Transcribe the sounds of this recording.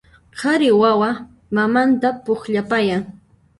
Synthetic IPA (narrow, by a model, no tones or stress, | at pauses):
qʰɑɾɪwawa | mamant̪apoχʎapajaŋ